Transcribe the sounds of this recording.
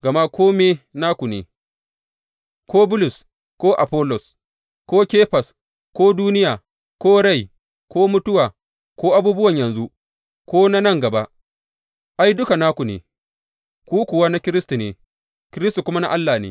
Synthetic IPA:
ɡɐ˨ma˦kʷʰoː˦meː˦na˦kʷu˨neː˨ | kʷoː˦bʊ˦lʊ˨s | kʷoː˦ʔa˨pɔ˦lɔ˨s | kʷoː˦kʲeː˦ɸa˨s | kʷoː˦duː˦nɪ˦jaː˨ | kʷoː˦ɽa˦˨j | kʷoː˦mʊ˦tʊ˦waː˨ | kʷoː˦ʔa˦buː˦bʊ˦wɐ˨ɲjɐ˨nzu˦ | kʷoː˦na˦nɐ˦ŋɡɐ˨ba˦ʔ | ʔa˦jdʊ˦ka˨naː˦kʷu˨nḛː˨ | kʷuː˦kʷʊ˨waː˦na˦kʲɪ˦ɾɪ˦stu˨neː˨ | kʲɪ˦ɾɪ˦stu˨kʷʊ˦ma˦na̰˦ʔa˦lːaː˨nḛː˦

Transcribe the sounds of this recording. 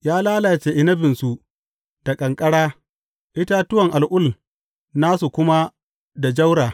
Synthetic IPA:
jaː˦laː˦laː˨t͡ʃeː˦ʔɪ˦nɐ˦bɪ˨nsu˨ʔ | d̥a˨kʼɐ˨ŋkʼɐ˦ɽaː˦ | ʔɪ˦ta˦tʊ˦wɐ˨ŋʔa˨lʔʊ˦l | naː˦su˨kʷʊ˦ma˦ | da˨d͡ʒa˦wɽaː˨

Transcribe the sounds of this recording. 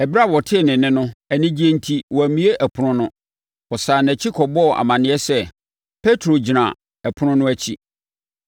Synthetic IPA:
ɛ˨bɾa˦˨wɔ˨tʰɪ˦˨nɪ̃˨nɪ̃˦nʊ̃˦æ˨nɪ̃˦d͡ʑi˦e˦n̩˦tʰi˦wɔ˨æ˨mĩ˦e˦ʔæ˨pʰʊ˨ɾʊ̃˦nʊ̃˦ | ɔ˨saː˨næ˨t͡ɕʰi˦kʰɔ˨bɔ˦˨ʔa̰˨mã˨nɪ̃˨˦ɛ˦sɛ˦ | pʰe˦tʰɾo˨d͡ʑi˨nã̰˨ | æ˨pʰʊ˦ɾʊ̃˦nʊ̃˦æ˦t͡ɕʰi˦

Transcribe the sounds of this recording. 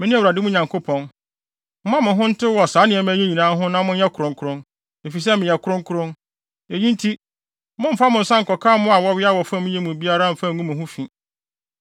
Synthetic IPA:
mɪ̃˨˦nɪ̃˦æ˨wɾa˨dɪ˦mʊ̃˦ɲã˨ŋkʰo˦pʰɔ̃˨n | m̩˦mã˦mʊ̃˨ɦʊ̃˦n̩˦tʰɪ˦wɔ˨saː˨˦nɪ̃˨ɛ˨m̃ː˦e˦ɲĩ˨nãː˨˦ɦʊ̃˦nã˦mʊ̃˦n˦ɛ˦kʰʊ˨ɾʊ̃˨ŋkʰʊ˦ɾʊ̃˦n | e˨fi˨s̬ɛ˦mɪ̃˨jɛ˨kʰʊ˦ɾʊ̃˦ŋ˦kʰʊ˦ɾʊ̃˦n | e˨ɲĩ˦n˦tʰi˦ | mʊ̃˦m̩˦fa˦mʊ̃˨n̩˨sã˦ŋ̩˨kɔ˨kʰãː˦mʊ̃˦a˨wɔ˦wɪ˦a˦wɔ˨fã˦mʊ̃˦ɲɛ˦mũ˨bi˦a˦ɾa˦˨m̩˨fã˦˨ũ˦mʊ̃˨ɦʊ̃˦fĩ˨

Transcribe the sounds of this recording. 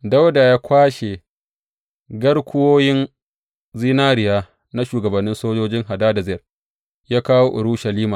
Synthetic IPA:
da˦wda˨jaː˦kʷaː˦ʃe˨ | ɡɐ˦ɽkʷʊ˦woː˦jɪ˦n | ziː˦naː˦ɾɪ˨jaː˦ | na˦ʃuː˨ɡɐ˨bɐ˨nːɪ˦nsoː˦d͡ʒoː˦d͡ʒɪ˦ŋɦa˨daː˦da˨zɪ˦jɐ˨r | jaː˦kaː˦wo˦ʔʊ˨ɾu˦ʃɐ˨liː˦maː˨

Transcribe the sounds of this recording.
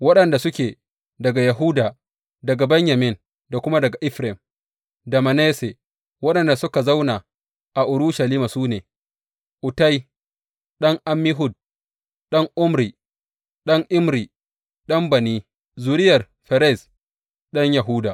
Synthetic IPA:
wɐ˦ɗɐ˨nda˨sʊ˦kʲeː˨ | dɐ˨ɡa˨ja˨ɦʊ˦daː˨ | dɐ˨ɡa˨bɛ˦ɲja˨mɪ˦n | da˨kʷʊ˦ma˦dɐ˨ɡa˨ʔɪ˦ɸɾɛ˨m | dɐ˨ma˨ne˦se˨ | wɐ˦ɗɐ˨nda˨sʊ˦ka˨za˦wna˨ | ʔa˨ʔʊ˨ɾʊ˦ʃɐ˨liː˦ma˨suː˦neː˨ | ʔʊ˨ta˦j | ɗɐ˦ŋʔa˦mːɪ˦ɦʊ˦d̚ | ɗɐ˦ŋʔʊ˦mɾiː˨ | ɗɐ˦ŋʔɪ˦mɾi˨ | ɗɐ˦mbɐ˨niː˦ | zu˨ɾɪ˦jɐ˨r | ɸɛ˨ɾɛ˦˨s | ɗɐ˦ɲjɐ˨ɦʊ˦daː˨ʔ

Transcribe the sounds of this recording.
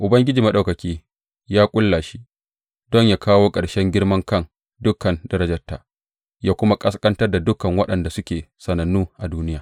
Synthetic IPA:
ʔʊ˨bɐ˦ŋɡʲɪ˦d͡ʒiː˨mɐ˦ɗa˨wkɐ˨kʲiː˦ | jaː˦kʷʼʊ˦lːa˨ʃi˦ | dɔ˦˨ɲjaː˦kaː˦woː˦kʼɐ˨ɽʃɛ˦ŋɡʲɪ˦ɽmɐ˦ŋkɐ˦˨n | dʊ˦kːɐ˨ndɐ˦ɾɐ˦d͡ʒɐ˨tːa̰ː˨ | jaː˦kʷʊ˦ma˦kʼɐ˦skʼɐ˦ntɐ˦rda˨dʊ˦kɐ˨ŋwɐ˦ɗɐ˨nda˨sʊ˦kʲeː˨sɐ˨nɐ˨nːuː˦ʔa˨duː˦nɪ˦jaː˨

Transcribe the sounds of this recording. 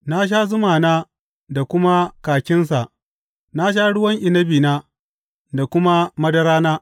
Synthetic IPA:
na˦ʃ̬aː˦zʊ˦maː˨naː˦ | da˨kʷʊ˦ma˦kaː˨kʲɪ˦ns̬a˨ʔ | na˦ʃ̬a˦ɽʊ˦wɐ˦ŋʔɪ˨nɐ˦biː˨naː˦ | da˨kʷʊ˦ma˦mɐ˦dɐ˦ɾaː˦naː˦

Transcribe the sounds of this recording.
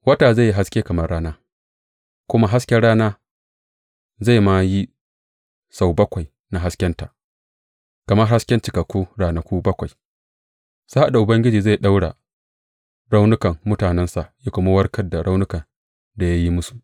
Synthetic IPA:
wɐ˦taː˨za˦˨ji˦ɦa˦skʲeː˦kɐ˨mɐ˦rːaː˦naː˦ | kʷʊ˦ma˦ɦa˦skʲɛ˦ɽaː˦naː˦ | za˦˨jma˦ji˦ | sa˨wbɐ˦kʷa˨j | na˨ɦa˦skʲɛ˦nta˨ʔ | kɐ˨mɐ˦rɦa˦skʲɛ˦nt͡ʃɪ˨kɐ˨kʷːuː˦ɽaː˨na˨kʷuː˦bɐ˦kʷa˨j | saː˦ha˦˨da˨ʔʊ˨bɐ˦ŋɡʲɪ˦d͡ʒiː˨za˦˨jɗa˦wɽa˨ | ɽa˦wnʊ˦kɐ˨ŋmʊ˦taː˨nɛ˦nsa˨ʔja˦kʷʊ˦ma˦wɐ˦rkʰɐ˦da˨ɽa˦wnʊ˦kɐ˨ | da˨ja˦ji˦mʊ˦su˨ʔ

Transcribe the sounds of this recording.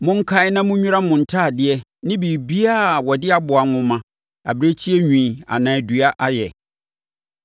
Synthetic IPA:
mʊ̃˦ŋ̩˦kʰa˨ɪ˦nã˦mʊ̃˦ɲᶣũ˦ɾa˦mʊ̃˨n̩˨tʰa˦˨dɪ˦ɛ˦ | nɪ̃˦bi˨bi˦a˦˨wɔ˨dɪ˦a˨bʊ˨a˨ŋʊ̃˦mã˨ | a̰˨bɾe˦t͡ɕʰi˦ɛ˦ɲᶣĩ˨a̰˨nã˨æ˨du˨a˦ʔa˦jɛ̰˨

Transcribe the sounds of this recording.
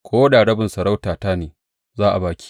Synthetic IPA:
kʰʷoː˦ɗaː˨ɽɐ˦bɪ˨nsɐ˨ɾa˦wtaː˨taː˦neː˨ | zaː˦ʔa˨baː˨˦kʲi̥˦

